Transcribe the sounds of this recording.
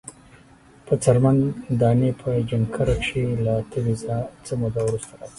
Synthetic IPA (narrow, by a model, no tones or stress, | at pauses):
pət͡saɾmand̪ɑnepʰəd͡ʒaŋkʰaɾakʂilat̪ʰəwizat͡səmud̪awɾust̪aɾɑzi